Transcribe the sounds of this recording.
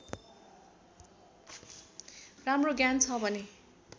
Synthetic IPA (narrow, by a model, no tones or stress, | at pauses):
ramroɡjant͡sʰʌbʱʌne